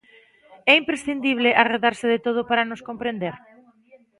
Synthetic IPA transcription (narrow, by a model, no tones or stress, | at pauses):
ɛimpɾesθind̪iβ̞leʔareðaɾsɪðet̪oð̞ʊpaɾanoskompɾend̪eɾ